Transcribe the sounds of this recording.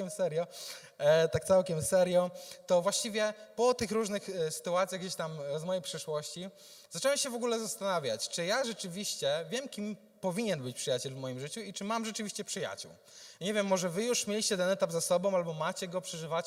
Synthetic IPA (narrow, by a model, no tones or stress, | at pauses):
ɛmsɛɾjɔ | t̪ak̚t̪sawkʲɛmsɛɾjɔt̪ɔvwaɕt͡ɕivʲjɛpɔt̪ɘxɾuʐnɘxsɘ̥t̪uat̪sʲjaɣɡd͡ʑeɕt̪amzmɔjejpʂɛʂwɔɕt͡ɕi | z̥at͡ʂɛwɛmɕɛvɔɡulɛzast̪anavʲja̰t͡ɕt͡ʂɘjaʐɛt͡ʂɘvʲiɕt͡ɕɛvʲjɛmkʲim | pɔvʲiɲɛnbɘt͡ɕpʂɨjat͡ɕɛlvmɔjimʐɘt͡ɕuit͡ʂɘmamʐɛt͡ʂɨvʲiɕt͡ɕɛpʂɘja̰t͡ɕṵw | ɲevʲjɛmːɔʐɛvɘjuʂmʲelʲiɕt͡ɕɛt̪ɛnɛt̪abzasɔbɔ̃w̃albɔmat͡ɕɛɡɔpʂɛʐɘvat͡ɕ